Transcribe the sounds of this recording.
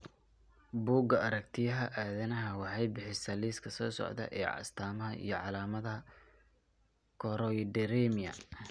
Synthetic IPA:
buːɡɐɐɾɐkt̪ʰɪjɐɦɐʔaːðɐnɐɦɐwɑħɑjbɪħɪsɐliːskʰɐsɔːsɔ̰ʕd̪ɐ̰ʔɛ̰ːʕɑ̰st̪ʰaːmɐɦɐḭjɞʕɑlaːmɐðɐ | kʰɔɾɔjd̪ɛɾɛmiɐ̰

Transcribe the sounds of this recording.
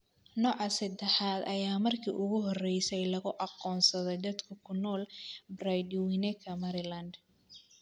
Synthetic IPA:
nɔːʕɑsɐd̪ɛħaːd̪ɐjaːmɐrkʰḭːʔʊɣʊɦɔrɛjsɛjlɐɣʊʔɑqɔːnsɐðɛd̪ɐd̪kʰɐkʰʊnɔːlbrajd̪wɪnɛkʰɐmɐɾɪlɐnd̪

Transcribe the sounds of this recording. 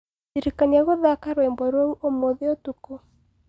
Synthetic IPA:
iɾikaniaɣoðakaɾwemboɾouʔomoðeotuko

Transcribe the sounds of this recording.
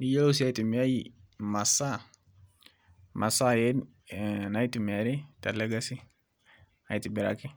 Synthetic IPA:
nijolosiajitimiajimasa | masajen | naitimeɾitaleɡasi | ajitibiɾa̰ki

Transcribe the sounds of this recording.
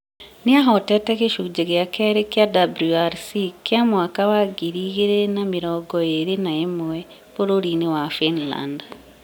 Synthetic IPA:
niaɦɔtɛtɛɣeʃud͡ʒeɣjakɛɾekjadabluaɾsikjamwakawaɡiɾiɣeɾenamiɾɔːɡɔeɾenaemɛ | poɾoɾinewafinla̰nd

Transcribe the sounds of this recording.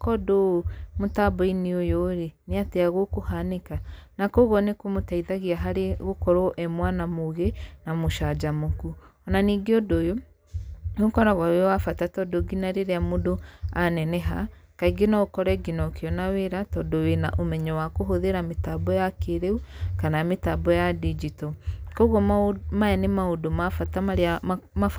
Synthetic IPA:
kɔdomotabɔineojoɾeneateaɣokohanekanakoɣɔnekomotaiðaɣiaɦaɾeɣokɔɾɔʔɛmwanamoɣenamoʃad͡ʒamokuɔnaniɡeɔdojo | okɔɾaɣwawewafatatɔdoɡinaɾeɾeamodoanɛnɛɦa | kaiɡenaokɔɾɛɡinɔokeɔnaweɾatɔdowenaʔomɛɲɔwakoɦoðeɾametabɔjakeɾeukanametabɔjadid͡ʒitɔkɔɣɔmaɛnemaodomafataam

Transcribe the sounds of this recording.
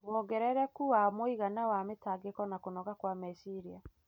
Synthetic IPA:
wɔɡɛɾɛɾɛkuwamoiɣanawametaɡekɔnakonɔɣakwamɛsiɾia

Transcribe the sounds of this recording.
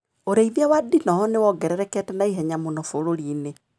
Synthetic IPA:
oɾeiðawadinɔɦɔnewɔɡɛɾɛɾɛkɛtɛnaiɦɛɲamonɔfoɾoɾiːne

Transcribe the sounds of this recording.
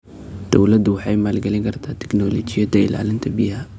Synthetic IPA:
d̪̥ɔwlɐd̪ʊwɑħɑjmaːlɡɛlɪŋkʰɐrt̪ʰaːt̪ʰɪ̥ɡnɔːlɔːt͡ʃɪjɐd̪ɐɪ̰la̰ːlɪnt̪ʰɐbɪɦɐ

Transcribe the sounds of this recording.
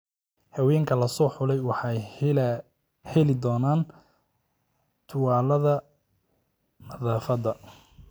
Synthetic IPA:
hɐwɛːŋkʰɐlɐsɔːħʊlɛjwɑħɑj | hɛlɪd̪ɔːnaːn | t̪ʰʊwaːlɐðɐ | nɐðaːfɐðɐ

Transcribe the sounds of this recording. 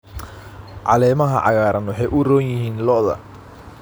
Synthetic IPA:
ʕɑ̰lɛːmɐɦɐ̰ʕɑ̰ɣaːɾɐnwɑħɑjʔʊrɔːnjɪɦiːnlɔʔðɐ̰

